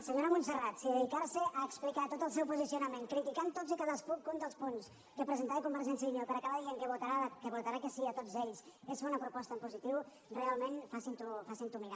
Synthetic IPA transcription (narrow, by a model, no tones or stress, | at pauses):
səɲoɾəmunsərat̪siðəðikaɾsəʔəːksplikat̪ot̪əlˠsɛwpuzisiunəmenkɾit̪ikant̪otzikaðəskukːunt̪əlˠspuns | kəpɾəzənt̪aikumbəɾʒɛnsjəðinewpəɾakaβaðieŋkəβut̪aɾakəβut̪aɾakəsiət̪od͡zeʎsezβɔnəpɾupɔst̪əmpuzit̪iw | realˠmenfasint̪ufasint̪umiɾa